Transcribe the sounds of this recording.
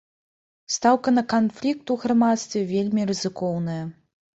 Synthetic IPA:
st̪awkɐnɐkanflʲik̚t̪uɣramat̪st̪vʲɛvʲelʲmʲirɨzɨkɔwnɐjɐ

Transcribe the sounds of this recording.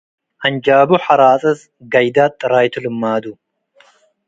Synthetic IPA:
ʔand͡ʒaːbuħaɾaːt͡sʼɐs | ɡajd̪at̪ʼːɨɾajt̪ʰɨlɨmːad̪u

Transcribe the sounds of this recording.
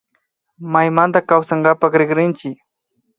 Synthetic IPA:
majmant̪akawsaɴɢɑpɑχɾɪχɾɪnt͡ʃɪk

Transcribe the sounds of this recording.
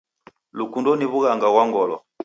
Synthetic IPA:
lukundɔniβuɣaŋɡaɡwaŋɡɔlɔ

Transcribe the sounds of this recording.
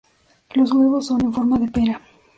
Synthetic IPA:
lozɣweβosːo̞ne̞ɱfoɾmaðepeɾa

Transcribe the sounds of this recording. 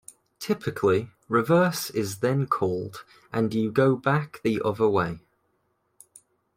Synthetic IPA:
tʰɪpʰɪkʰli | ɹɪvɜˑsɪzðə̃nkʰɔːlˠd | ʔə̃njəɡoʊbakðiʔʌðəweɪ

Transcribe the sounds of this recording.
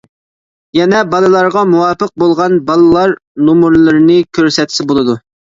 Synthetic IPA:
jɛnɛbɑlˠɨlˠɑɾʁɑmuwɑːpəq̚bolˠʁɑnbɑlˠɨlˠɑɾnomuɾlˠɨɾnɨkʲʰøɾsɛt̪ʰsɪbolˠɨd̪u

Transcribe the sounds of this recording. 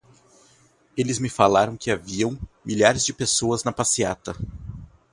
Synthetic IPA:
elɪzmɪfalaɾɐ̃w̃kɪaviɐ̃w̃miʎaɾɪzd͡ʒɪpesoɐznɐpasiat̪ɐ

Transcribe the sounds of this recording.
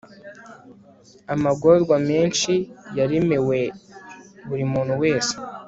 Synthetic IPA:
amaɡoɾɡwameːnʃijaɾemewe̞ | βuɾimuːnhuwe̞ːse̥

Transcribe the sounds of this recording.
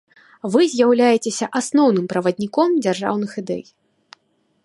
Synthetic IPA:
vɨzʲjawlʲajɛt͡sʲesʲɐʔasnɔwn̪ɨmpɾɐvɐd̪ʲnʲikɔmd͡zʲarʐa̰wnɨxid̪ɛ̰j

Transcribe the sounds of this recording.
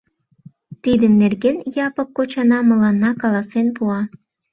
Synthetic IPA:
t̪id̪ənːerɣenjɑpə̆p̚kot͡ɕɑnɑmə̆lɑnːɑkɑlɑsenpuɑ

